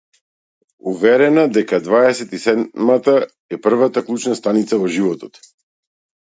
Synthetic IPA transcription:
uvɛɾɛnad̪ɛkad̪vaɛsɛt̪isɛd̪mat̪a | ɛpr̩vat̪aklˠut͡ʃnast̪anit̪savɔʒivɔt̪ɔt̪

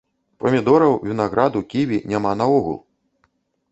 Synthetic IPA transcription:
pɐmʲid̪ɔɾɐwvʲinaɣɾad̪ukʲiʋʲinʲamanɐɔɣṵlˠ

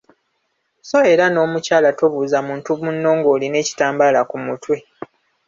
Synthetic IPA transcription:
so̞e̞ɾano̞ːmucaːlatoβuːzamuːntuβunːo̞ːŋɡo̞ːline̞ːci̥taːmbalakumutwe̞

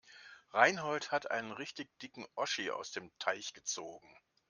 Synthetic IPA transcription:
ʁaɪnɦɔlthatʔa̰ɪnənʁɪçtɪçd̥ɪkŋ̩ʔɔʃia̰ʊsd̥eːmtʰaɪçɡ̥ət͡soːɡŋ̩

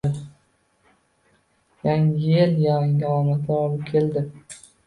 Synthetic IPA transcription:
jaŋɪjeljaŋɪɒmat̪ʰlaɒlˠɪp̚kʲʰe̞ld̪ɪ

